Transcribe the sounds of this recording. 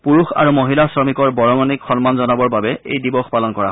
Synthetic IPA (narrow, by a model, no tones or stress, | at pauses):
puɹuxa̰ɹumoɦilasɹɔmikɔɹbɔɹɔmɔnikxɔnmanzɔnabɔɹbabɛḛjdibɔxpalɔnkɔɹa